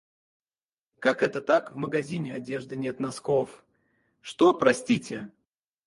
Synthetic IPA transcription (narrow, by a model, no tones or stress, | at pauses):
kakɛt̪ət̪akvməɡɐzʲinʲɪɐdʲe̞ʐd̪ɨnʲet̪nɐskof | ʂt̪opɾɐsʲtʲitʲɪ